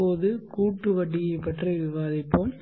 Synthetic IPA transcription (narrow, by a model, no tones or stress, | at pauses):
oːðɯkuːʈːɯʋɐʈːɪjɐɪpːɐʈrɐɪʋɪʋaːðɪpːom